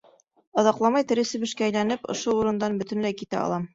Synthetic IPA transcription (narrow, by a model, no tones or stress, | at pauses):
ɒðɑqlˠɑmɑjt̪ɘ̆ɾɘ̆sɘ̆bɘ̆ʃkæːjlænɘpŏ̰ʃouɾɤ̆nd̪ɑnbɵ̆t̪ɘ̆nlæjkit̪æ̰ɑ̰lˠɑm